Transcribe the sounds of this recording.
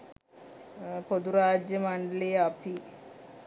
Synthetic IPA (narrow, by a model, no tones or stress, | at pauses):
pod̪uɾaːd͡ʒjɐmɐɳɖɐleːɐpʰi